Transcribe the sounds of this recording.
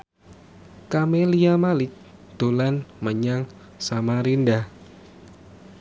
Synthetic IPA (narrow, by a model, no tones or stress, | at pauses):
kameliamalɪt͡ʃ | d̪̥olanməɲaŋ | samaɾindah